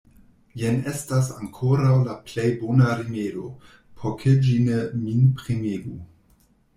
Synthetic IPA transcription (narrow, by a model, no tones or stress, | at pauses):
jenestasa̰ŋkʰoɾawlaplejbonaɾimelo | pʰokʰed͡ʒineminpɾimeɡu